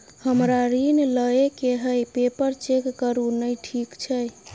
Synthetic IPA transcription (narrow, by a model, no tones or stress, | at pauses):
həmɾaɾinləekeɦəjpepəɾt͡ʃekːəɾunəjʈʰikt͡ʃʰəj